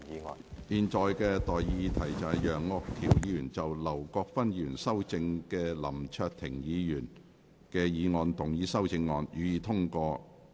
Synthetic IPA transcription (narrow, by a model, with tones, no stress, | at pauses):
jiː˨nt͡sɔː˨jkɛː˧t̪ɔː˨jjiː˨˧t̪ʰɐ˨˩jt͡sɐ˨jjœː˨˩ŋːɔː˧kk̪ʰi˨˩wjiː˨˧jyː˨˩nt͡sɐ˨wlɐ˨˩wkɔː˧k̚fɐ˥njyː˨˩nsɐ˥wt͡sɪ˧ŋkɛː˧lɐ˨˩mt͡ʃʰœː˧k̚t̪ʰɪ˨˩ŋjiː˨˧jyː˨˩n | kɛː˧jiː˨˧ŋɔː˨˧nt̪ʊ˨˩ŋjiː˨˧˥sɐ˥wt͡sɪ˧ŋːɔː˨˧njyː˨˧jiː˨˧t̪ʰʊ˥ŋkɔː˧